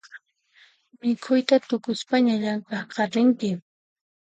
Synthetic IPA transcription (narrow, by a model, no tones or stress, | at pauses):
mɪkʰʊjt̪at̪ʊkʊspaɲaʎaŋkɑqɑɾɪŋkɪ